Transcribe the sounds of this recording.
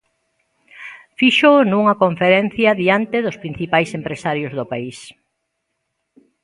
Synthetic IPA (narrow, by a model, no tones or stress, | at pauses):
fiʃonũŋɐkoɱfeɾen̟θjɐðiant̪eðʊspɾin̟θipajsempɾesaɾjozðʊpais